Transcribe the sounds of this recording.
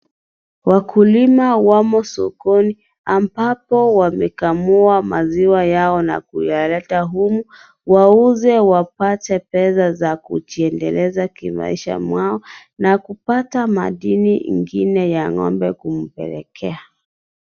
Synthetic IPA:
wakʰulimawamɔsɔ̰kɔni | ambapɔwamɛkamuamaziwajaɔna̰kṵjalɛtaɦumu | wauzɛwapatɛpɛzazakṵt͡ʃiɛndɛlɛzakima̰iʃa̰mwaɔ | nakupatama̰ɗiniŋɡinɛjaŋɔ̰mbɛkum̩pɛ̰lɛ̰kʰɛa

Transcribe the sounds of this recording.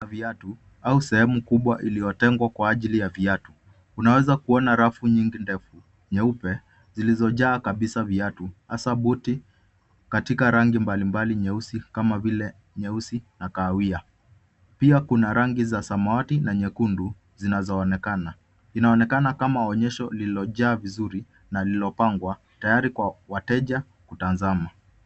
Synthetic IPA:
aviatu | ausɛhɛmukuɓwaʔilijɔtɛŋɡwakwaːʄilijaviatu | unawɛzakuɔnaɾafuɲiŋɡindɛfu | ɲɛupɛ | zilizɔʄaːkaɓisaviatuhasaɓuti | katikaɾaŋɡimbalimbaliɲɛusikamavilɛ | ɲɛusinakaːwia | piakunaɾaŋɡizasamaatinaɲɛkundu | zinazɔːnɛkana | inaɔnɛkanakamaɔɲɛʃɔlilɔʄaːvizuɾi | nalilɔpaŋɡwa | tajaɾikwawatɛʄa | kutanzama

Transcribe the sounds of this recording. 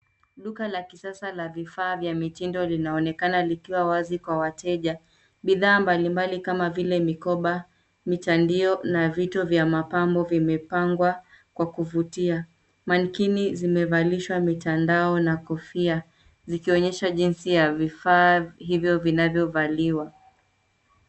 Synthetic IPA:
luɣalakisasalavifaːvjamitindɔlinaɔnɛkanalikiwawazikwawatʰɛʄa | ɓiðaːmbalimbalikamavilɛmikɔɓa | mitandiɔnavitɔvjamapambɔvimɛpaŋɡwa | kwakuvutia | mankinizimɛvaliʃwamitandaɔnakɔfia | zikiɔɲɛʃaʄinsijavifaːɦivjɔvinavjɔvaliwa

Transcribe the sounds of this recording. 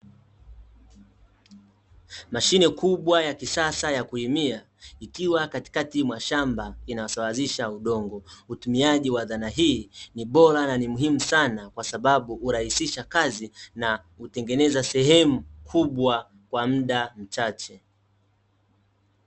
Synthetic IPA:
maʃinɛkuɓwajakisasajakuimia | ikiwakati̥katimwaʃambainaasawaziʃauɗɔŋɡɔutumiaʄiwaðanaɦiːniɓɔɾananimuɦimusanakwasaɓaɓuːɾahisiʃakazina | utɛŋɡɛnɛzasɛɦɛmukʰuɓwa | kwam̩ɗam̩t͡ʃat͡ʃɛ

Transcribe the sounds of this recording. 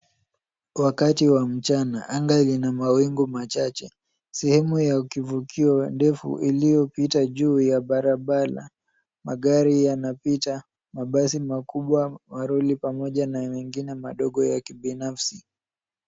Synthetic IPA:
wakatiwam̩t͡ʃanaʔaŋɡalinamawiŋɡumat͡ʃat͡ʃɛ | sɛhɛmujakivukʰiɔndɛfṵʔilijɔpitaʄuːjaɓaɾaɓala̰ | maɠaɾijanapita | maɓasimakuɓwamaɾulipamɔʄanawɛŋɡinɛmaɗɔɠɔjakiɓinafsi

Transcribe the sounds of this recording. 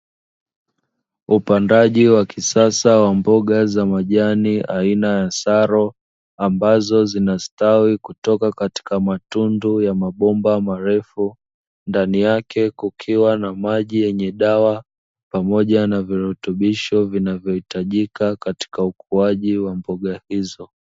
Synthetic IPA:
upandaʄiwakʰisasawambɔɠazamaʄaniʔainajasaɾɔ | ambazɔzinastawikutɔkakati̥kamatundujamaɓɔmbamaɾɛfu | ndanijakʰɛkukʰiwanamaʄijɛɲɛɗawa | pamɔʄanaviɾɛtuɓiʃɔvinavjɔhitaʄikakati̥kaukuaʄiwambɔɠahizɔ

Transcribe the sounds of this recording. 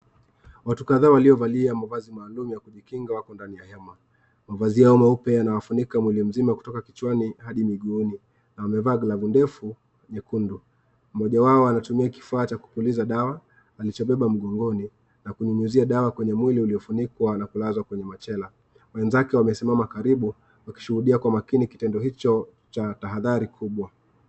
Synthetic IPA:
watukaðaːwaliɔvaliamavazimwaːlumijakuʄikiŋɡawakɔndanijahɛma | mavazijaɔmaupɛanawafunikamwilim̩zimaku̥tɔkaki̥t͡ʃwanihaɗimiɠuni | nawamɛvaːɡlavundɛfu | ɲɛkundu | m̩mɔʄawaɔanatumiaki̥faːt͡ʃaku̥pulizaɗawaː | lit͡ʃɔɓɛɓam̩ɠɔŋɡɔni | nakuɲuɲuziaɗawakwɛɲɛmwiliuliɔfunikwanakulazwakwɛɲɛmat͡ʃɛla | wɛnzakɛwamɛsimamakaɾiɓu | waki̥ʃuhuɗiakwamakinikitɛndɔɦit͡ʃɔ | t͡ʃataɦaðaɾikʰuɓwa

